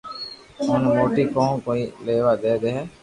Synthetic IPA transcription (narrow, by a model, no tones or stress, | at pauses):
onɐmoːʈikoːŋkoileːʋaːd̪ɛːd̪eɦɛ